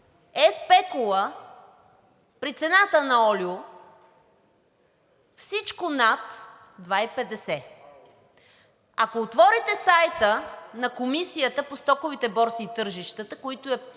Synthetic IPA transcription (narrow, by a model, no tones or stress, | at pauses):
ɛspɛkʊlˠə | pɾit̪sɛnat̪ənɐɔlʲjʊ | fsit͡ʃkʊnat̪ | d̪vaipɛd̪ɛsɛ | akoːt̪vɔɾit̪ɛsajt̪ənɐkomisijət̪əpost̪ɔkʊvit̪ɛbɔɾsiːt̪ɤɾʒiʃt̪ət̪əkoit̪ʊɛ